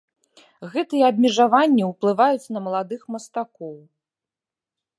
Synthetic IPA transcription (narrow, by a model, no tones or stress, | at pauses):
ɣɛt̪ɨjɛɐb̚ʲmʲɛʐavanʲːiwplˠɨvajut͡sʲnɐmɐlˠad̪ɨxmɐst̪akɔw